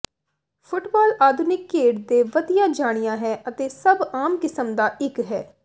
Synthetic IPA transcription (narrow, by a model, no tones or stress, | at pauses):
pʰʊʈbaːlʔaːd̪ʱʊnɪkːeːɖd̪eːʋəd̪ijãːd͡ʒaːɽ̃ɪjãːɦɛːʔət̪eːsəbaːmkɪsəmd̪aːʔɪkɦɛ̰ː